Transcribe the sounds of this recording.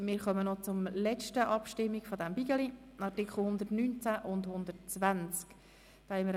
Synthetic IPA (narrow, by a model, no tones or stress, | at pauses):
mɪːɾχœmənɔt͡sʊmlɛt͡ʃtəʔɑpʃtɪmːiɡfɔdɛmbiɡəli | ɑrtɪkχl̩ˠhʊnd̪ətnynt͡sæʔʊndhʊnd̪ətt͡svænt͡sk | d̥ɑːhɛməɾ